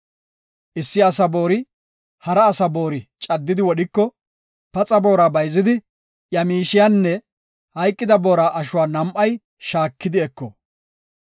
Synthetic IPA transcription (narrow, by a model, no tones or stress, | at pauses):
ʔɪsːɪɐsɐbo̞ːɾɪ | hɐɾɐːsɐboːɾɪt͡ʃʼɐd̪ːɪd̪ɪwɔɗɪkːɔ | pɐt͡sʼɐbo̞ːɾaːbɐjzɪd̪ɪ | jɐmiːʃɪjanːɛ | hɐjkʼːɪd̪ɐbo̞ːɾaːʔɐʃʊwaːnɐmʔɐj | ʃaːkːɪd̪ɪɛkːɔ̰